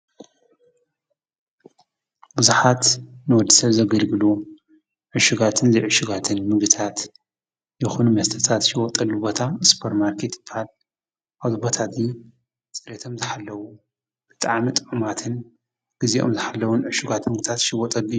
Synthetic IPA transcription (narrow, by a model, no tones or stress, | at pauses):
bɨzuħat̪nɨwɔd̪ːi̥sɐβzɐɡɐlɡɨlu | ʕɨʃuɡat̪ʰɨnzɨʕɨʃɪɡat̪ʰɨnmɨɡɨt̪ʰat̪ | jɪxunumɐst̪ʰɐt̪ʰat̪ʃɪwɔt̪ʼɐlːubo̞t̪ʰaspʰɐɾmaɾkʰet̪b̥al | ʔaβzɨbot̪ʰazi | t͡sʼɨɾet̪ʰo̞mzɨħalːɐwu | b̥ɨt̪ʼaʕmit̪ʼɨʕmat̪ʰɨn | ɡ̥ɨziʔo̰mzɨħalːɐwunʕɨʃuɡat̪mɨɡɨt̪ʰat̪ʃɪwɔt̪ʼɐɡiju